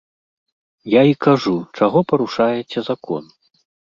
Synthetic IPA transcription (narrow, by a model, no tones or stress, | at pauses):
jaikaʐut͡ʂaɣɔpɐɾuʂajɛt͡sʲɛzakʰɔ̰n